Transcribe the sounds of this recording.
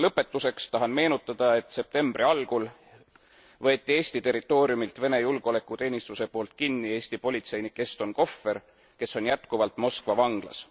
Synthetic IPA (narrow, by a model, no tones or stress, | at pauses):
lɤpːˑe̞t̪ːˑuse̞kst̪ɑɦɑnme̞ːnut̪ːˑɑd̪̥ɑe̞t̪se̞p̚t̪e̞mbrʔiɑlɡ̥ul | vɤ̞ːt̪ʲːˑie̞ːsʲt̪it̪e̞rit̪ːˑo̞ːɾiumilt̪ve̞ne̞julɡ̥o̞le̞kːˑut̪e̞ːnist̪use̞po̞ːlt̪̚kinːie̞ːsʲt̪ipo̞lʲit̪se̞jnikːˑe̞st̪o̞nko̞fːe̞r | ke̞sːo̞njæt̪kuvɑlt̪ˑmo̞skvɑvɑŋɡ̥lɑ̰s